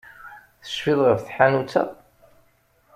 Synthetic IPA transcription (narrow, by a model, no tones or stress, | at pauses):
θə̥ʃfiðˤʁəfθħanut͡sːa̰